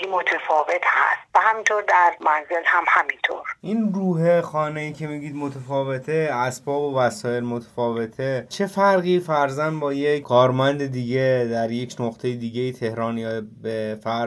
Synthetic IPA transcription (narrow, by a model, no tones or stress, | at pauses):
imot̪ʰefɒːvet̪ʰhæ̰st̪væhæmint̪ʰoɾd̪æɾmænzelhæmhæmint̪ʰo̰ɾʔiːnruːɦexɒːnejiːcʰe̞miɟiːd̪mo̞t̪ʰefɒːve̞t̪ʰeæsbɒːbovæsɒːe̞lmot̪ʰe̥fɒːve̞t̪ʰet͡ʃʰe̞fæɾɣiːfæɾzænd̪bɒːjekʰɒːɾmænd̪ed̪iːɟe̞d̪æɾje̞cʰnoqt̪ʰe̞jed̪iːɟejit̪ʰe̞hɾɒːnjɒːbefæɾ